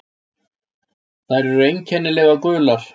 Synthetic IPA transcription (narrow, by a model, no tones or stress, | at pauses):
θajɾɛɾʏejɲchɛnːɪlɛːɣakʏːlaɾ̥